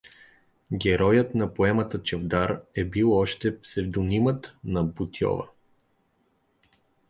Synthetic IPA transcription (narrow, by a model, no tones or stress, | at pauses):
ɡʲɛɾɔjət̪nɐpoɛmət̪ət͡ʃɛvd̪aɾɛbilˠɔʃt̪ɛpsɛvd̪ʊnimət̪nɐbut̪jɔ̰və̰